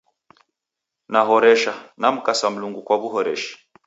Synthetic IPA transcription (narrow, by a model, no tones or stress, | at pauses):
naɦɔɾɛʃanam̩kasam̩luŋɡukwaβuɦɔɾɛ̰ʃi̥